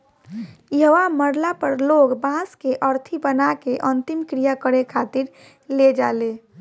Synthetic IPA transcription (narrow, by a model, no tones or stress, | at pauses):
jəʋaməɾlapəɾloɡbãskeʔəɾt̪ʰibənakeʔənt̪imkɾijakəɽekʰat̪iɾ | led͡ʒaːle